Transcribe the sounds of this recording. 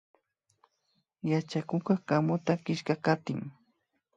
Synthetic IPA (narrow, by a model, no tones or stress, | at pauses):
jat͡ʃakʊkakamʊt̪akɪʃkakat̪ɪŋ